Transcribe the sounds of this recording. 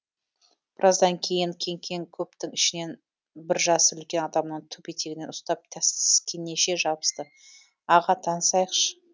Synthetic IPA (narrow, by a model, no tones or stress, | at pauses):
b̥ɪɾʔɑzd̪ɑŋkʲʰe̞jɪŋkʲʰe̞ŋkʲʰe̞ŋkʲʰɵp̚t̪ɪŋɪʃɪne̞n | bɪɾʒɑsəʏlkʲe̞nɑd̪ɑmnəɴt̪ʰɵpet̪eɡɪne̞nʊst̪ɑp̚t̪ʲʰæsɪskʲenːe̞ʃe̞ʒɑbə̥st̪ə | ɑʁɑt̪ʰɑnəsɑjəqʃə̥